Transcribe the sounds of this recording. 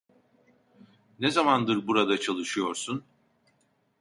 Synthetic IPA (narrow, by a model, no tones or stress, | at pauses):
nezamand̪ɯɾbuɾad̪at͡ʃʰalˠɯʃɯjo̞ɾsun